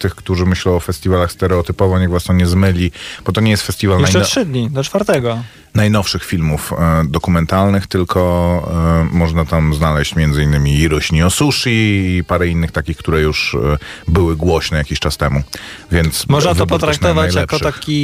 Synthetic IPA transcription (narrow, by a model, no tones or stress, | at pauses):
t̪ɘxkt̪uʐɘmɘɕlɛ̃w̃ɔfɛst̪ʲivalaxst̪ɛɾɛɔt̪ɘpɔvɔɲɛɣvast̪ɔɲɛzmɘlʲib̥ɔt̪ɔɲɛjɛst̪fɛst̪ʲivalnɛjɛʂɘd̪ɲid̪ɔt͡ʂfaɾt̪ɛɡɔ | najnɔfʂɘxfʲilmufd̪ɔkumɛnt̪alnɘxt̪ɘlkʰɔ | mɔʐnat̪amznalɛɕt͡ɕmʲjɛnd̪zɘinːɘmʲiːɾɔɕɲiɔsuʂiːpaɾɛinːɘxt̪akʲixkt̪uɾɛjuʂ | bɘwɘɡwɔɕnɛjakʲiɕt͡ʂast̪ɛmu | vʲjɛnt̪smɔʐnavɔpɔt̪ɾakknɔvaajljaɛpkɔʂaxkʲi